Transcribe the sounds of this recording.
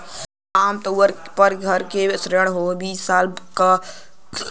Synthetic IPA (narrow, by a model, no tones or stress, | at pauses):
aːmt̪əəɾpəɾɡʱəɾkesɾeɽ̃ɦobiːssaːlkə